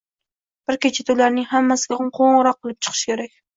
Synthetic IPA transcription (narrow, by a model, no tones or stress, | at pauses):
b̥ɪɾkʲet͡ʃʰat̪ʰʊlaɾnɪŋhamːasɪɡʲaqʰoɴʁɾɒqːɨlˠɪp̚t͡ʃʰɨ̥qʰɨ̥ʃkʲʰeɾakʲ